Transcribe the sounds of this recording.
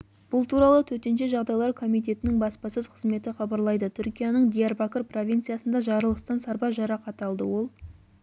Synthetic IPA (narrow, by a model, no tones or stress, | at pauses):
b̥ʊlˠt̪ʰuɾɑlˠət̪ʰɵt̪e̞nʃeʒɑʁd̪ɑjlˠɑɾkʰo̞mijt̪e̞t̪ɪnɪŋbɑspɑsɵzqʰəzme̞t̪ɪχɑbɑɾlˠɑjd̪ət̪ʰʏɾkʲijɑnəɴd̪ʲijarbakərpro̞vʲijnt̪sɨjasənd̪ɑʒɑɾəlˠəst̪ɑnsɑɾbɑʒɑɾɑqɑt̪ɑlˠd̪ə̰wo̞lˠ